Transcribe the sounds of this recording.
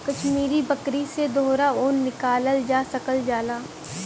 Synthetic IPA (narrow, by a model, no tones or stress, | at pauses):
kɐʃmiːɾibɐkɾised̪oːɾaoːnːɪkaːləld͡ʒaːsɐkəld͡ʒaːlaː